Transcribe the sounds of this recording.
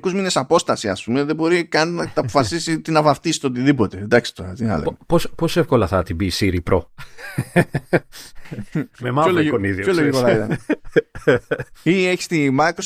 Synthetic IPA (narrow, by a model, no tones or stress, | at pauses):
kuzmine̞sɐpo̞st̪ɐsiɐ̰spume̞ðe̞bo̞ɾikɐninɐt̪ɐpofɐsisit̪inɐvɐfθist̪eot̪iðipo̞t̪e̞d̪ɐksi̥t̪o̞ɾɐ̰t̪inɐ̰lḛposposefkolɐθɐt̪ibisiɾipɾo̞̰ | memɐolokoniðioçoloʝikot̪ɐɐit̪ɐn | ieçi̥st̪imɐkɾos